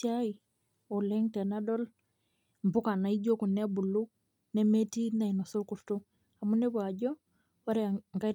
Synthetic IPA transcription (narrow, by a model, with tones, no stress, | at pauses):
ai˨ | ɔ˨lɛŋtɛ˨nadɔ˦l | mbʊ˦ka˨na˨i˦ɟo˦ku˨nɛ˦bu˨lːu˦ | nɛ˦mɛ˦ti˦na˨i˨nɔ˨so˦lku˨ɾto | a˨mu˦nɛ˦ba˨ɟɔ˦ | wa˦ɾɛ˨ŋɡa˦